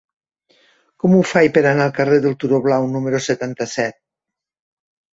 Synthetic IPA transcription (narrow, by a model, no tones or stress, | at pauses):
kɔmufajpeɾanalˠkareðelˠt̪uɾoβlawnumeɾoset̪ant̪asɛt̪̚